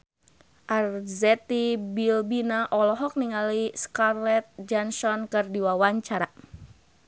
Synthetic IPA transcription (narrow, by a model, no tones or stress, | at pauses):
ʔarzɛt̪ibilbinaʔɔlɔɦɔk̚niŋaliskarlɛt̪̚d͡ʒansɔnkɨrdiwawaɲt͡ʃaɾa